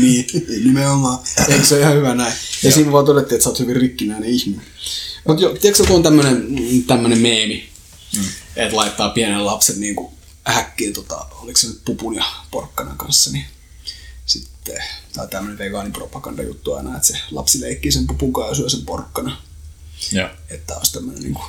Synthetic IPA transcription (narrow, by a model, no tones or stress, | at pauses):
niːnimeomːɑːekseoihɑhyʋænæijɑsiːnʋɑːt̪odet̪ːiet̪sɑoːt̪hyʋirrikːinæineihminemut̪jot̪iæksjokuont̪æmːønent̪æmːønemmeːmi | et̪lɑit̪ːɑːpiænellɑpsenniːŋku | hækːiːnt̪ot̪ɑ̰oliksenyt̪pupunjɑpo̰rkːɑnɑ̰ŋkɑ̰nsːɑni | sit̪ːet̪ɑit̪æmːøneʋeɡɑːnimpro̰pɑkɑ̰ndɑ̰jṵt̪ːuɑ̰inɑet̪selɑ̰psileikːisempupuŋkɑːjɑsyøsempo̰rkːɑnɑ | et̪ːæ̰o̰ist̪æmːønḛnḭːŋku̥